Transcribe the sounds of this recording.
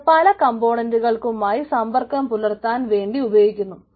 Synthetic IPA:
pɐlɐkɐmbo̞ːɳɐnduɣɐɭkumaːjisɐmbɐrkɐmpulɐrt̪ːaːnʋe̞ːɳɖiubɐjeːjikʲːunːu

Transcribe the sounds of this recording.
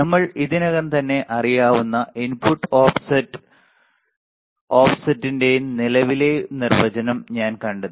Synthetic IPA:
nɐmːɐɭiðinɐɣɐnt̪ɐnːe̞ʔɐrijaːʋunːɐʔinpuʈːoːfsɐt | oːfsɐtːindejnnilɐʋilenirʋɐd͡ʑɐnɐmɲaːnkɐɳɖɐ

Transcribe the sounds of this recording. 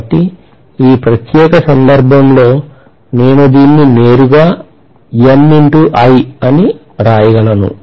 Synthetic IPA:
ʈːi | iːpɾɐt̪jɛːkɐsɐnd̪ɐɾbʱɐmlo̞ː | ne̞ːnud̪iːnːine̞ːɾuɡaː | emːiɳʈuʔɐjiɐni | ɾaːjɐɡɐlɐnṵ

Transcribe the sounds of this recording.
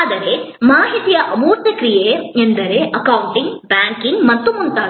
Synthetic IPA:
d̪ɐɾe̞maːɦit̪ijɐʔɐmuːɾt̪jɐkɾijeend̪ɐɾe̞ʔɐkɐwuɳʈiŋɡbjaːŋkiŋɡmɐt̪ːumunt̪aː

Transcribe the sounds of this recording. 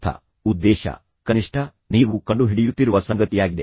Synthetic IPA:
t̪ʰɐ̰ | ud̪ːeːʃɐ̰ | kɐniʂʈʰɐ | niːʋukɐɳɖuɦiɽijut̪ːiɾuʋɐsɐŋɡɐt̪ijaːɡid̪e

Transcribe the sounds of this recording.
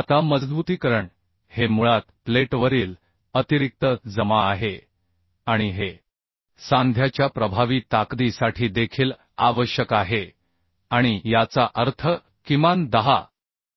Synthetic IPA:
at̪aməd͡zd̪but̪iːkəɾəɳ | hemuɭat̪pleʈʋəɾiːl | ət̪iɾik̚t̪əd͡zəmaːɦe | aɽ̃iɦe | sãnd̪ʱjat͡ɕjapɾəbʱaʋiːt̪akd̪isaʈʰiːd̪ekʰiːl | aʋəɕjəkaɦe | aɽ̃ijat͡saʔəɾt̪ʰə | kimand̪əɦa̰

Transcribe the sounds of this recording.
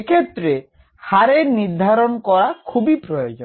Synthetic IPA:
kʰet̪ːɾe | haɾeɾniɾd̪ʱaɾonkɔɾakʰubipɾojod͡ʒɔn

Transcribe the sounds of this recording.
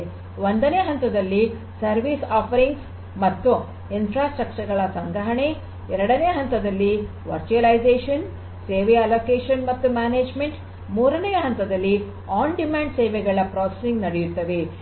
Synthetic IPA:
ond̪ɐneːɐɦɐnt̪ɐd̪ɐlːi | sɐɾʋiːsaːpʰɐɾiŋɡs | mɐt̪ːu | infɾaːsʈɾɐk̚t͡ʃɐɾɡɐɭɐsɐŋɡɾɐɦɐɳe | ɛɾɐɽɐneːɐɦɐnt̪ɐd̪ɐlːi | ʋɐɾt͡ʃuɐlɐjd͡ʒeːʂɐn | seːʋeɐloːkeːʂɐnmɐt̪ːumaːneːd͡ʒme̞ɳʈ | muːɾɐnejɐɦɐnt̪ɐd̪ɐlːi | aːɳɖimaːɳɖseːʋɛɡɐɭɐpɾaːsesiŋɡnɐɽejut̪ːɐʋe

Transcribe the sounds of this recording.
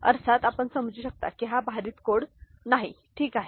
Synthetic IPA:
ə̰ɾsat̪apəɳsəmd͡zuːɕək̚t̪a̰kiɦabʱaɾiːt̪koɽ | naɦḭ | ʈʰiːkaɦe

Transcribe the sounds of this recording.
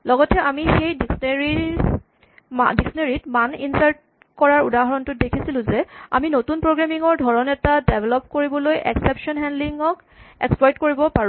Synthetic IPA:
lɔɡɔtɛʔamixejdiksneɹi | madiksɔneɹitmaninsaɹt̚ | kɔɹaɹudaɦɔɹɔntʊt̚dekʰisilʊ̃zɛa̰minotunpɹoɡɹamiŋɔɹdʱɔɹɔnɛtadebʱɛlɔpkoɹibɔlojʔɛ̰ksɛpʃɔnɦɛndliŋɔk | ɛ̰ksplɔjtkoɹibɔpaɹ̃

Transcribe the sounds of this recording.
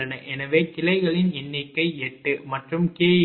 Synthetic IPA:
ɐnɐʔɛnɐʋeːkɪlɐɪɣɐɭɪnɪnːɪkːɐɪɛʈːɯmɐʈrɯmkeː

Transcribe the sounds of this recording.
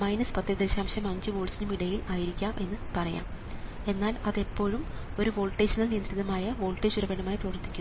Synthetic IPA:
mɐjnɐspɐt̪ːjɐd̪eɕaːmɕɐmɐɲd͡ʑɨʋo̞ːɭsinumiɽɐjilaːjiɾikʲːaːmʔe̞nːɨpɐrɐja̰ːm | e̞nːaːlɐðe̞pːo̞ːɻumo̞ɾuʋo̞ːɭʈːeːt͡ɕɐnːɐlnijɐnd̪ɾiðɐmaːjɐʋo̞ːlʈːeːt͡ɕuɾɐbeɳɐmaːjiprɐʋɐrt̪ːi̥kʲːu

